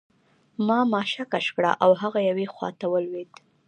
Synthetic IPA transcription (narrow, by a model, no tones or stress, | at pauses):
mɑmɑʃakaʃkɽa̰ʔawɦaɣajawexwɑ̰t̪awəlwed̪